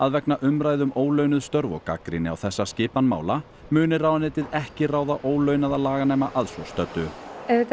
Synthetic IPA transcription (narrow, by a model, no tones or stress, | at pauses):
aðvɛknaʔʏmɾaːjðʏmʔoːwlœɥnʏðst̪œɾvɔ̰ka̰kɾɪnɪa̰wθɛsːascɪːpanma̰ːwla | mʏːnɪraːwðanɪːt̪ɪðɛhcɪraːwðaʔoːwlœːɥnaðalaːɣaneːjmaʔaðsvɔst̪œt̪ːʏɛt̪